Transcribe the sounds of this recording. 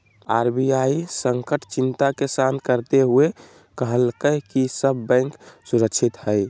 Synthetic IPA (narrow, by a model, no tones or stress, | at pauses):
a̰ɾbiaisəŋkəʈt͡ʃint̪akesankəɾt̪eɦue | kəɦəlkəkisəbːɛ̃ɪŋksuɾəkt͡ʃʰit̪həj